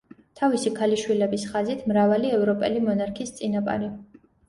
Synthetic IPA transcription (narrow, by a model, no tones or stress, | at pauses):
t̪ʰavisikʰaliʃwilɛbisχazit̪ʰmɾavaliɛvɾɔpʼɛlimɔnaɾkʰist̪sʼinapʼa̰ɾi